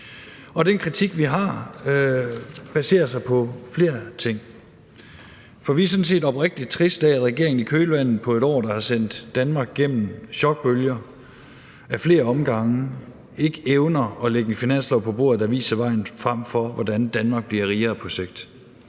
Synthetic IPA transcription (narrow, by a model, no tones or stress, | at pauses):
ɒ̽d̥enkʰʁit͡sʰiɡ̥ʋiɦɑ̈ː | b̥æse̝̰ːɐsɑ̈ɪpʰɒ̽fle̝̰ːɐt͡sʰe̝ŋ̰ | fɒ̽ʋiæɐs̬ɔ̽n̩se̝̰ːdɒ̽b̥ʁɛɡ̥̚d̥i̥t͡sʰʁisd̥æædʁɛɡ̥e̝ɐ̰eŋn̩ikʰøːlʋæn̰ð̩ˠpʰɒ̽e̝ɾɒ̰ːd̥ɑ̈hɑ̈sen̰d̥ːænmɑ̈ːɡ̥̚ɡ̥em̰m̩ɕɒ̽ɡ̥̚b̥øljɐ | æfle̝ːɐɒ̽mɡ̥ɑ̈ŋə | e̝ɡ̥əeʊnɐɒ̽leɡ̥ən̩finæn̰slɒʊpʰɒ̽b̥o̝̰ɐ̰ð̩ˠd̥æʋḭːsɐʋɑ̈ɪ̰n̩fʁam̰fɒʋɒd̥ænd̥ænmɑ̈ːɡ̥̚b̥liɐʁiːɐðˠpʰɒ̽seɡ̥̚d̥